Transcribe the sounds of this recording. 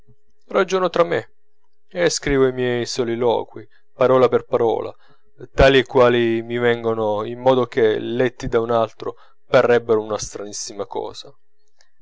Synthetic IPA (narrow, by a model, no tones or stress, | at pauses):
rad͡ʒoːnot̪ɾamːe | eskɾiːvoimjɛjsɔlilɔ̰ːkwi | paɾɔːlaperpaɾɔ̰ːla̰ | t̪aːlikwaːlimivɛŋɡonoimːɔːd̪ok̟elɛt̪ːid̪aunalt̪ɾo̰ | parːɛbːeɾounast̪ɾanisːimakɔ̰ːz̥a